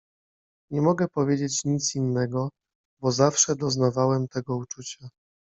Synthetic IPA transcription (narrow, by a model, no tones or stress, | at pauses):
ɲɛmɔɡɛpɔvʲjed͡ʑet͡ɕɲit̪sinːɛɡɔ | bɔzafʂɛd̪ɔznavawɛmt̪ɛɡɔut͡ʂut͡ɕa